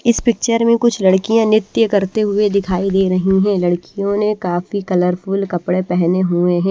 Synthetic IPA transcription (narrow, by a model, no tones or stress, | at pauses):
ɪspɪk̚t͡ʃəɾmẽkʊt͡ʃʰlɐɽkijãnɪt̪jəkɐɾt̪eɦʊed̪ɪkʰaːid̪eːɾɐɦiɦɛ̃lɐɽkijõnẽkaːfikɐləɾfʰuːlkɐpɽepɛɦneɦueɦɛ̃ː